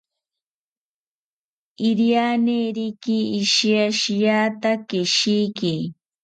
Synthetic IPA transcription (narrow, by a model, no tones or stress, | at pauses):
iɾjaneɾikiːʃiaʃijat̪akeʃiki